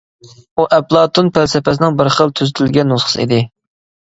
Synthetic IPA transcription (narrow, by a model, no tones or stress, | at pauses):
uʔɛplˠɑːt̪ʰunpʰælsɪpɛs̬ɪnɪŋbəɾχəlˠt̪ʰyzɪt̪ʰɪlɡʲɛnːosχə̥sɨ̰ḭd̪ɪ